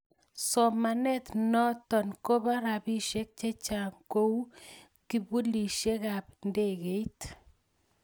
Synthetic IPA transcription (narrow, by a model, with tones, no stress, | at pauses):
sɔ˨ma˨nɛ˦t̪nɔ˦t̪ɔ˨nko˦ba˦ɾa˨bi˦ʃe˦k̚t͡ʃe˦t͡ʃa˨ŋko˦u˦ | ki˨bu˦li˨ʃje˦kapnde˦ɣe˨i˦t̪